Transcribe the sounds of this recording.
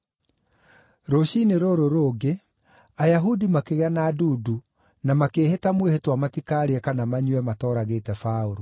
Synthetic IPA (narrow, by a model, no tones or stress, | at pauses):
ɾoɕineɾoɾoɾoːɡe | ajaɦudimakeɣeanaːduːdu | namakeːhetamwehetwamatikaɾeɛkanamaɲwɛmatɔːɾaɣeːtɛfaoɾo